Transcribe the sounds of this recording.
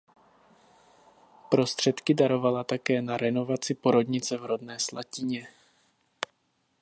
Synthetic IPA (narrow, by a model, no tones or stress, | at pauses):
pɾo̞st̪r̝̥ɛt̪kɪdaɾo̞valat̪akɛːnaɾɛno̞vat͡sɪpo̞ɾo̞dɲɪt͡sɛvɾo̞dnɛːslacɪɲɛ